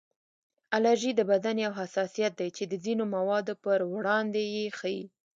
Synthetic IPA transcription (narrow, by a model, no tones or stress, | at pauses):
alaɾʒid̪əbad̪aneawɦasɑsijat̪̚d̪ajt͡ʃed̪əzinomawɑd̪opəɾwɽɑnd̪ejexajḭ